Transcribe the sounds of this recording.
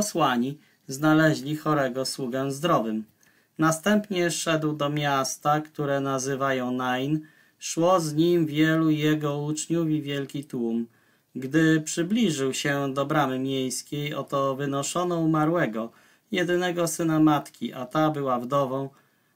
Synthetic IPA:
pɔswaɲi | znalɛʑlʲixɔɾɛɡɔswuɡɛmzd̪ɾɔvɘm | nast̪ɛmpɲɛʂɛd̪wd̪ɔmʲjast̪akt̪uɾɛnazɘvajɔ̃w̃najn | ʂwɔzɲimvʲjɛlujɛɡɔut͡ʂɲuvʲivʲjɛlkʲit̪wum | ɡd̪ɘpʂɘblʲiʐɘwɕɛd̪ɔbɾamɘmʲjejskʲejɔt̪ɔvɘnɔʂɔnɔumaɾwɛɡɔ | jɛd̪ɘnɛɡɔsɘnamat̪kʲiʔat̪abɘwavd̪ɔvɔ̃w̃

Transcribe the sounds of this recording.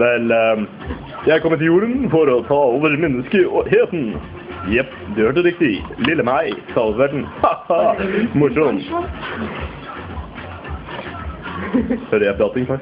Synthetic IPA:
ʋɛl | jæɪkʰɔmːət̪ʰɪljuːɾənfɔɾɔt̪ʰɑːoːʋəɾmɛnːəskəɦeːt̪n̩ | jɛp | d̪øøʈəɾɪk̚t̪ɪlɪlːəmæɪsɑlfʋæʈɳ̩hɑɑmʊʂɔn | høɾəjɛp̚d̪ɑt̪ɪŋfʰɑ

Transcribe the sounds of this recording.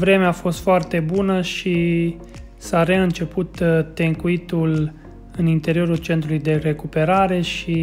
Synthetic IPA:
vɾe̞meafo̞st̪foart̪e̞bunəʃi | saɾe̞ɨnt͡ʃe̞put̪ːe̞ŋkuit̪ul | ɨnint̪e̞ɾio̞ɾult͡ʃe̞nt̪ɾulujd̪e̞re̞kupe̞ɾaɾe̞ʃi

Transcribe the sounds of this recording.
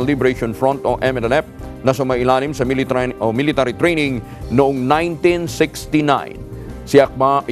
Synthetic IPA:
libɾɛʃonfɹɔnt̪oʔɛmɛɛlɛf̚nɐsʊmɐʔɪlaːnɪmsɐmɪlɪt̪aɾit̪ɾɛjnɪ̃ŋ | nʊʔoŋnãjnt̪ĩnsɪkst̪inã̰jnsɪɐk̚ba

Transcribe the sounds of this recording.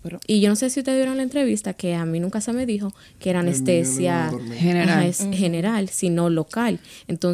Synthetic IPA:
iʝo̞no̞se̞siust̪eðβjeɾalae̞nt̪ɾe̞βist̪ake̞amĩnũŋkase̞me̞ðixo̞ | keeɾaunest̪e̞sjanoeshe̞ne̞ɾalsino̞lo̞kalent̪o̞

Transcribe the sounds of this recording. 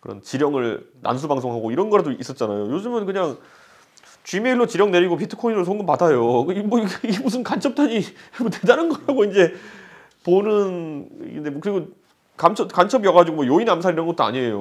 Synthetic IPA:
kɯɾʌ̰nt͡ɕiɾjʌŋɯɭna̰ns̬ʰubaŋs̬ʰoŋɦaɡoiɾʌnɡʌɾadois͈ʌt̚t͡ɕ͈anajojod͡ʑɯmjʌnkɯɲaŋ | t͡ɕɥimeiɭːot͡ɕiɾjʌŋne̞ɾiɡop̬ʰitʰɯ̥kʰoinɯosʰoŋɡɯpadajokmwʌiɡiɡmus̬ʰɯnkant͡ɕʰʌp̚t͈aɲimotedanɯnɡʌɾɦaɡoind͡ʑe̞ | ponɯnndekɯɾiɡo | kamt͡ɕʰʌkant͡ɕʰʌbijʌɡad͡ʑiɡomwʌjoinamsʰaɾiɾʌnɡʌt͈oa̰ɲiejo

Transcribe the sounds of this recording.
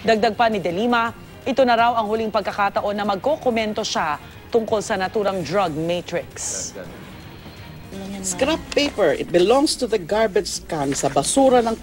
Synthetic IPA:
d̪ɐɡ̚d̪ɐaɡ̚pɐnɪd̪ɛliːmɐ | ʔɪt̪o̞nɐɾawɐŋhʊliŋpɐɡkːɐkat̪ɐʔo̞nːɐmɐɡ̚kːokomɛnt̪o̞ʃa | t̪ʊŋko̞lsɐnɐt̪uːɾɐŋd̪ɹɐɡ̚met̪ɹɪks | skɾapːejpɛɹʔɪ̰t̪̚bɪlɔ̃ŋst̪ʊðɐɡaɹbɛt̪skansɐbɐsuːɾɐnɐŋ

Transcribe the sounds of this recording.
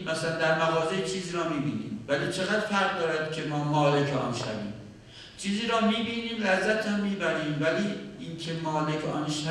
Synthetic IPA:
mæsælænd̪æɾmæɣɒːzejt͡ʃʰiːziːɾɒːmiːbḭːnḭːmvæliːt͡ʃʰe̞ɣæd̪̥fæɾʁ̚d̪ɒːɾæd̪̥̚cʰe̞mɒːmɒːlecʰɒ̰ːnʃæ̰vḭːm | t͡ʃʰiːziːɾɒːmiːbiːniːmlæzːæt̪hæmːiːbæɾiːmvæliːincʰe̞mɒːle̞cʰɒ̰ːnʃæ

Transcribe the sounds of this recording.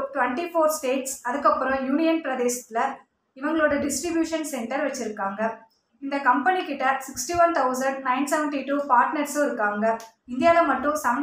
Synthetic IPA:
ʈʋɛɳʈifoːɾsʈeːʈsɐðɯkːɐpːɯɾɔ̃juːnɪjɐnpɪɾɐðeːʃɐ̥t̪ːɪlɐ | ɪʋɐŋɡɐɭoːɽɐɖɪsʈɾɪbjuːʂɐnsɛɳʈɐɾʋɛt͡ʃːɪɾɯkːaːŋɡɐ | ɪnd̪ɐkɐmpɐnikːɪʈːɐsɪksʈiʋɐnt̪ʰɐʊsɐɳɖ̚nɐɪnsɛʋɐɳʈiʈuːpaːɾʈnɐɾsoːɪɾɯkːaːŋɡɐ | ɪnd̪ɪjaːðɐmɐʈːʊ̃sɐm

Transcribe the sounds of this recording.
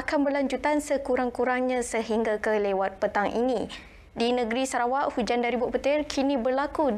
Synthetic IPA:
akanbərlaɲd͡ʒut̪ansəkuɾaŋkuɾaŋɲãsəɦiŋɡakəlewat̪̚pət̪aŋʔḭnĩ | dinə̃ɡɾisaɾawaʔhud͡ʒandaɾibʊʔpət̪ɪrkʰinĩbərlaku

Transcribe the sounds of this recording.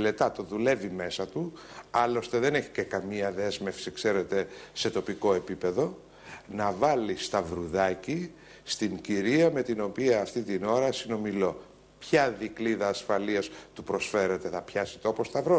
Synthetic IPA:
le̞t̪ɐt̪oðule̞vime̞sɐt̪uɐlo̞st̪e̞ðene̞çi̥ce̞kɐmiɐðe̞zme̞fsikse̞ɾe̞t̪e̞se̞t̪o̞piko̞e̞pipe̞ðo̞ | nɐvɐlist̪ɐvɾuðɐci | st̪iŋciɾiɐme̞t̪ino̞piɐːft̪it̪ino̞ɾɐsino̞milo̞ | pçɐðikliðɐːsfɐliɐst̪upɾo̞sfe̞ɾe̞t̪e̞θɐpçɐsi̥t̪oopo̞st̪ɐvɾo

